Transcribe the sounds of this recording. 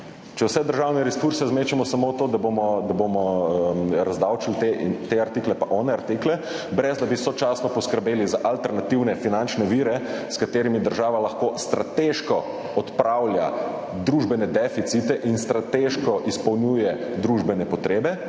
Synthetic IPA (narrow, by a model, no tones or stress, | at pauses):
t͡ʃɛwsɛd̪əɾʒawnɛɾɛskuɾsɛzmeːt͡ʃɛmɔsamot̪oːd̪abomɔd̪abomɔ | ɾazd̪awt͡ʃilt̪et̪eaɾt̪iklɛpaʔɔnɛaɾt̪iklɛ | bɾɛzd̪abisɔt͡ʃasnɔpɔskəɾbeːlizaʔalt̪ɛɾnat̪iwnɛfinant͡ʃnɛʋiɾɛskat̪eːɾimid̪əɾʒaːʋalaxkost̪ɾat̪eʃkɔ | ɔt̪pɾawlja | d̪ɾuːʒbɛnɛd̪ɛfit̪sit̪ɛʔinst̪ɾat̪eʃkɔʔispɔwnjujɛd̪ɾuʒbɛnɛpɔt̪ɾeːbɛ